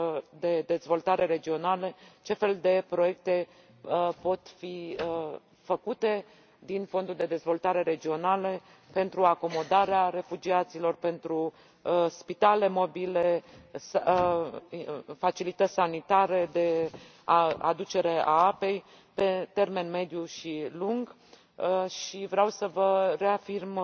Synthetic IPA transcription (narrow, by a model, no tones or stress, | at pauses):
d̪e̞d̪e̞zvo̞lt̪aɾe̞ɾe̞d͡ʒio̞nalet͡ʃe̞fe̞ld̪e̞pɾo̞je̞k̚t̪e̞ | po̞t̪fi | fəkut̪e̞ | d̪info̞nd̪uld̪e̞d̪e̞zvo̞lt̪aɾe̞ɾe̞d͡ʒio̞nale | pe̞nt̪ɾuako̞mo̞d̪aɾeaɾe̞fud͡ʒiat̪silo̞rpe̞nt̪ɾu | spit̪ale̞mo̞biles | fat͡ʃilit̪ət̪ʲsanit̪aɾed̪e̞ | aa̰d̪ut͡ʃe̞ɾe̞aape̞j | pe̞t̪e̞rme̞nme̞d̪juʃiluŋɡ | ʃivɾeawsəvəre̞afirm